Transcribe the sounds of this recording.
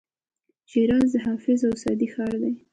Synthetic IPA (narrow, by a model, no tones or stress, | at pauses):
ʃiɾɑzd̪əɦɑfɪzawsɑ̰d̪ixɑɾd̪aj